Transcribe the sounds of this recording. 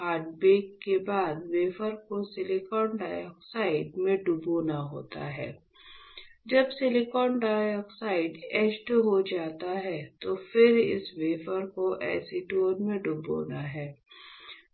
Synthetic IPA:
ɦaːɖbeːkːebaːd̪ʋeːfəɾkosɪlɪkɔːnɖaːjɔːksaːɪɖmẽɖʊboːnaɦo̰ːt̪a̰ɦɛː | d͡ʒɐbsɪlɪkɔːnɖaːɔːksaːɪɖɛsʈɦod͡ʒaːt̪aɦɛt̪ofɪɾɪ̰sʋeːfəɾkoʔɛ̰ːsiʈoːɾmẽɖʊbo̰ːnaɦɛː

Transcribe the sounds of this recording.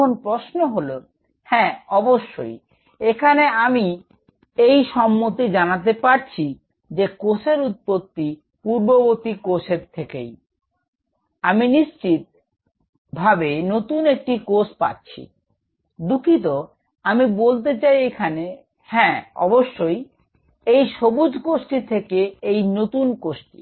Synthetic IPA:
onpɾoʃnoɦolo | hɛ̃ɔboʃːo̰j | ekʰaneami | ejʃɔmːot̪id͡ʑanat̪̬epaɾt͡ɕʰi | d͡ʑekosʰeɾut̪̚pot̪ːi | puɾbobot̪ikoʃʰeɾt̪ʰːekḛj | aminiʃt͡ɕit̪̚ | bʱabenot̪unek̚ʈikospa̰tːt͡ɕʰḭ | d̪ukʰit̪̬o | amibolt̪̬et͡ɕajekʰane | hɛ̃ɔ̰boʃːoj | ejʃobud͡ʑʱkoʃʈit̪ʰekeejnot̪unkoʃʈi̥̰

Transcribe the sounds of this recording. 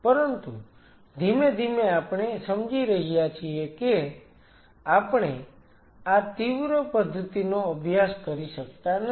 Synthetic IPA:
pəɾənt̪ṵ | d̪ʱimed̪ʱimeapɳ̃esəmd͡ʒiɾəɦijat͡ʃʰieke | apɳ̃e | at̪iʋɾopəd̪ʱːət̪inoəbʱjaskəɾiʃək̚t̪an

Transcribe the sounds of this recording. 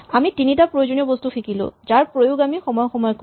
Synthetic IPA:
amitinitapɹojod͡ʒoniɔbɔstuxʰikilʊ̰̃zaɹpɹojuɡamixɔmɔjɔxɔmɔjɔk

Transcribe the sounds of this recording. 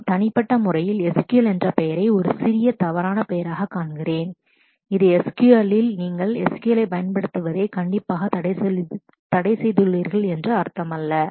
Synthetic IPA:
t̪ɐnɪpːɐʈːɐmʊrɐjɪlɛskɯɐlɛndrɐpɛjɐɾɐɪɔɾɯsɪɾɪjɐt̪ɐʋɐɾaːnɐpɛjɐɾaːɣɐkːaːɳɡɪreːn | ɪðɯɛskuɐlɪlniːŋɡɐɭɛ̰skuɛlɐɪpɐjɐnpɐɽɯt̪ːɯʋɐðeːkɐɳɖɪpːaːɣɐ | t̪ɐɽɐɪsɛjðɯɭːiːɾɣɐɭɛndrɯɐɾt̪ːɐmɐlːɐ

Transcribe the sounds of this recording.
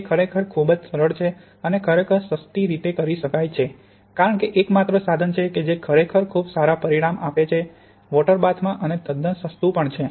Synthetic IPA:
d͡ʒekʰəɾekʰəɾkʰubd͡ʒsəɾəɭt͡ʃʰe | ənekʰəɾekʰəɾsəst̪iɾit̪ekəɾiʃəkajt͡ʃʰe | kaɾəɳ̃keʔekmat̪ɾəsad̪ʱənt͡ʃʰeked͡ʒekʰəɾekʰəɾkʰubsaɾapəɾiɽ̃amapet͡ʃʰe | ʋɔʈəɾbat̪ʰmãʔəned̪əd̪əsəst̪upəɳt͡ʃʰe

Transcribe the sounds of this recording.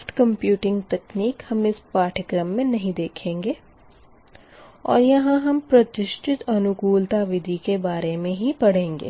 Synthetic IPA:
fʈkɐ̃mpjuːʈɪ̃ŋɡt̪ɛːkniːkhɐmɪspaːʈʰəkɾəmːẽnɐɦĩd̪eːkʰẽːŋɡeː | ɔ̰ːɾjɐɦãɦɐmpɾɐt̪ɪʃʈʰɪt̪ɐnʊkuːlt̪aʋɪd̪ʱikebaːɾemẽɦipɐɽ̤ẽːŋɡḛː

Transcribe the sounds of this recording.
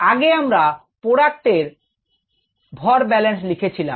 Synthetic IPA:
aɡeamɾa | poɽak̚ʈ̪eɾ | bʱɔɾbɛlens̬likʰet͡ɕʰila̰m

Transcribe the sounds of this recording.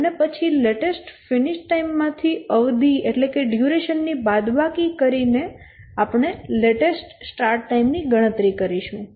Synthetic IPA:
ənepət͡ʃʰileʈesʈfɪnɪʃʈaimːãt̪ʰiəʋd̪ʱieʈlekeɖjuɾeʃənːibad̪ʋakikəɾine | apɳ̃eleʈesʈsʈaɾʈːaimniɡəɽ̃ət̪ɾikəɾiʃũ

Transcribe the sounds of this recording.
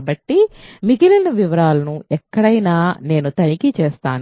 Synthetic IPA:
bɐʈːimiɡilɐnɐʋiʋɐɾaːlɐnuɛkːɐɽɐjnaːne̞ːnut̪ɐnikit͡ʃeːst̪aːn

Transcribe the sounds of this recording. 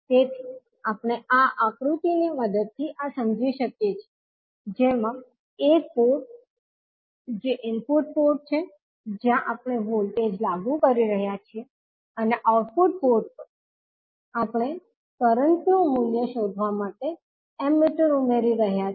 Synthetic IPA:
t̪et̪ʰi | apɳ̃eʔaʔakɾut̪iniməd̪əd̪̚t̪ʰiʔasəmd͡ʒʋiʃəkjet͡ʃʰe | d͡ʒemã | ek̚poʈ̚ | d͡ʒeʔɪmpuʈ̚poʈ̚t͡ʃʰe | d͡ʒjãʔapɳ̃eʋolʈed͡ʒlaɡũkəɾiɾəɦjat͡ʃʰie | əneʔauʈ̚puʈ̚poɾʈ̚pə | apɳ̃e | kəɾənt̪iõmuljəʃod̪ʱʋamaʈe | ɛmːeʈəɾumeɾiɾəɦja

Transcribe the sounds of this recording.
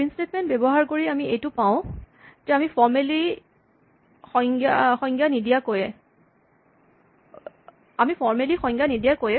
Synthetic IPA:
instetmɛnt̚bebɔɦaɹkoɹiamiejtʊpaʊ̃ | d͡ʒɛamifɔɹmeli | xɔŋɡaxɔŋɡjanidijakojɛ | amipʰɔɹmelixɔ̃ŋɡjanidijakojɛ

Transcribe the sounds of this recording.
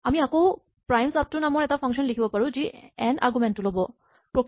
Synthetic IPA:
amiako | pɹajmsap̚tʊnamɔɹɛtapʰɔ̃ŋksɔnlikʰibɔpaɹũziɛnʔa̰ɹɡumɛntːʊlobɔ | pɹɔk

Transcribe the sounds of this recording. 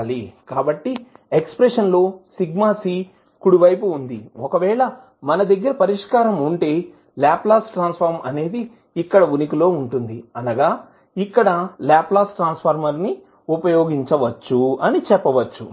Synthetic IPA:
ɐlikaːbɐʈːiekspɾeʂɐnlo̞ːsiɡmaːsiː | kuɽuʋɐjp̬uːnd̪iɔkɐʋɛːɭɐ | mɐnɐd̪ɐɡːɐɾɐpɐɾiʂkaːɾɐmuɳʈe̞ː | laːplaːsʈɾaːnspʰɐɾmɐne̞ːd̪i | ikːɐɽɐʋunik̬ilo̞ːuɳʈund̪iɐnɐɡaː | ikːɐɽɐlaːplaːsʈɾaːnspʰɐɾmɐɾni | upɐjoːɡiɲt͡ʃɐʋɐt͡ʃːuɐnit͡ʃɛpːɐʋɐt͡ʃːṵ

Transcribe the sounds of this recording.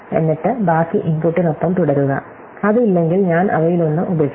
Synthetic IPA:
e̞̰nːiʈːɨbaːkːiʔimpuʈːinopːɐmt̪uɽɐɾuɣɐ̰ | ɐðɨilːe̞ŋɡilɲaːnʔɐ̰ʋɐjilonːumʔubɐs

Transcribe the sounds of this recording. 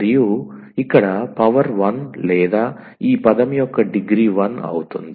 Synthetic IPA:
ɾijuː | ikːɐɽɐpɐʋɐɾʋɐnlɛːd̪aː | iːpɐd̪ɐmijɔkːɐɖiɡɾiʋɐnɐ̰wut̪und̪

